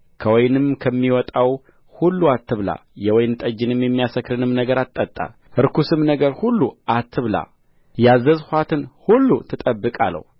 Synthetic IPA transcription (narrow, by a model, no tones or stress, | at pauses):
kʰəwɔjnɨmkʰəmːiwɔt̪ʼaw | hulːuat̪ːɨβla̰jɛwɔjnt̪ʼəd͡ʒɪnɨmjɛmːijasəkːɾɨnɨmnəɡəɾat̪ʼːət̪ʼːa̰ | ʔɨɾkusɨmnəɡəɾhulːuat̪ʰːɨβla̰ | jazːəzhʷat̪ʰɨnhulːut̪ʰɨt̪ʼəbːɨkʼalːə̰hu